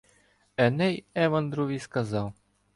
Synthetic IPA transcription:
ɛnɛjɛvɐnd̪ɾuvʲiskazaw

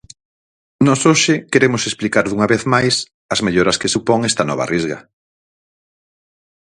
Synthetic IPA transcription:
nɔsoʃɪkeɾemʊsesplikaɾðuŋɐβeθmajs | ɐzmeʎoɾɐskesupɔŋɛst̪ɐnɔβɐ̰rʔizɣɐ̰

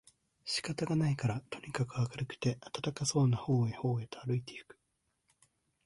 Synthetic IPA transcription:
ɕi̥kat̪aɡanaikaɾat̪ʰo̞ɲ̟ikakɯ̟akaɾɯ̟kɯ̟̥t̪e̞ʔat̪at̪akaso̞ːnaho̞ːeho̞ːe̞t̪oaɾɯ̟it̪e̞ɯ̥kɯ̥

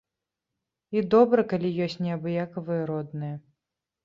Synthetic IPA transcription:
id̪ɔbɾɐkalʲijɔsʲtʲnʲɛɐbɨjakɐvɨjɐɾɔd̪nɨjɐ

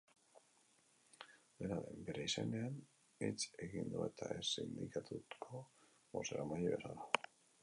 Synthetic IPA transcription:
d̪e̞naɾe̞̰mbeɾeisanean | et͡se̞ɣind̪ue̞t̪ʰaesind̪ikat̪ʰut̪kʰo̞ | βo̞seɾamaʎeβesala

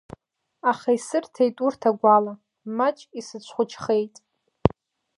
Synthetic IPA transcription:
aχaisɨrtʰejtʼurtʰaɡʷala | mat͡ʃʼisɨt͡ɕʷʰχʷʊt͡ʃʰχe̞jtʼ

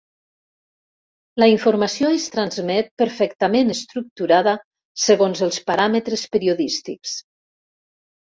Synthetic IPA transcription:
ləiɱfuɾmasioest̪ɾanzmɛt̪̚pəɾfɛkt̪amenəst̪ɾuk̚t̪uɾaðə | səɣonzəlˠspaɾamət̪ɾəspəɾioðist̪iks

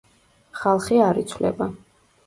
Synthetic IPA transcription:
χalˠχiaɾit̪sʰwlɛ̰ba

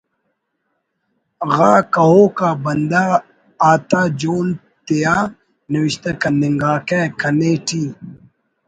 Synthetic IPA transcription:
ɣaːkɐɦoːkaːbɐnd̪aː | t̪aːd͡ʒoːn | t̪ejaː | nɪwɪɕt̪ɐkɐnd̪ɪŋɡaːkɛːkɐneːʈiː

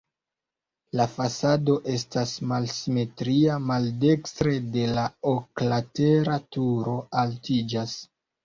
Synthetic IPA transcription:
lafasado̞ʔe̞stasmalsime̞tɾiamalde̞kstɾe̞de̞laoklate̞ɾatuɾo̞altid͡ʒas

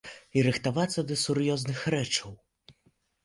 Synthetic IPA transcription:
iɾɨxt̪avat̪sːɐd̪ɐsuɾjɔznɨxɾɛt͡ʂɐw

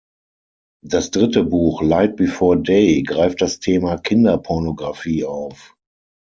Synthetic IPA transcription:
d̥asd̥ʁɪtəbuːxlaɪt̚b̥ifɔɐdeɪɡʁaɪft̚d̥astʰeːmakʰɪndɐpʰɔɐnoɡʁafiːaʊf

